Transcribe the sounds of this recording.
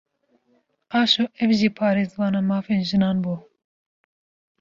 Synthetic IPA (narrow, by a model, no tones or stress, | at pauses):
ɑːʃoːʔɛvʒiːpʰɑːɾeːzbɑːnɑːmɑːfeːnʒɨnɑːnbuː